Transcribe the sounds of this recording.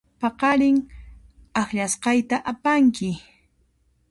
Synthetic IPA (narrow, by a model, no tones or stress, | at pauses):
pɑqɑɾɪŋ | axʎasqɑjt̪aʔapaŋkɪ